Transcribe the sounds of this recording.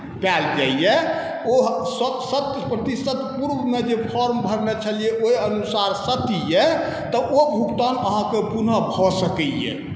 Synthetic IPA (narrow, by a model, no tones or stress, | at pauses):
pald͡ʒaijɛ | osəsət̪pɾət̪isət̪puɾbmed͡ʒepʰɔɾmbʱəɾnet͡ʃʰəlijeʔoiənusaɾsət̪ijɛ | t̪ɔʔobʱukt̪anəɦãkepunəbʱɔsəkɛjɛ̰